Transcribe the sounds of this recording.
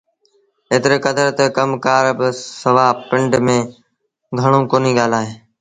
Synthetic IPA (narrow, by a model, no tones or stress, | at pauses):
eːt̪ɪɾeːkəd̪əɾt̪əkəmkaːɾbɪsəʋaːpɪ̃ɳɖmẽː | ɡʱəɽ̃õːkoːniːɠaːl̤aːɦeː